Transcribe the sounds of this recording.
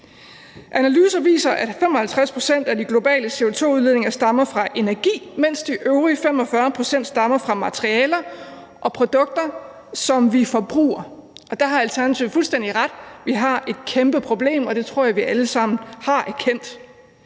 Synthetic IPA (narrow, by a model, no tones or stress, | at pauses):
ʔænælyːsɐʋḭːsɐʔæd̥femɒ̽hælt͡sʰʁaspʰʁo̝sen̰d̥æd̥iɡ̥lo̝b̥ɛ̰ːləse̝o̝t͡sʰo̝̰ːuðˠeðˠne̝ŋɐsd̥ɑ̈mɐfʁɑ̈ʔe̝næɐɡ̥ḭːmen̰sd̥iʔøʊʁifemɒ̽fɶɐpʰʁo̝sen̰d̥sd̥ɑ̈mɐfʁɑ̈mæt͡sʰʁiɛːlɐ | ʔɒ̽pʰʁo̝d̥ɔ̽ɡ̥̚d̥ɐ | sɒ̽mʋifɒ̽b̥ʁṵːɐʔɒ̽d̥ɑ̈ɦɑ̈ælt͡sʰæɐnæt͡sʰiʊ̰fulsd̥en̰d̥iʁɑd̥ʋiɦɑ̈e̝d̥̚kʰemb̥əpʰʁo̝b̥le̝̰ːmɒ̽d̥e̝t͡sʰʁo̝ɐ̰jɑ̈ʋiʔæləsɑ̈m̰n̩hɑ̈ʔæɐkʰen̰d̥